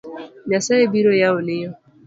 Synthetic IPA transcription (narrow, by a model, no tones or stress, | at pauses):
ɲasaebiɾɔjaonɪjɔ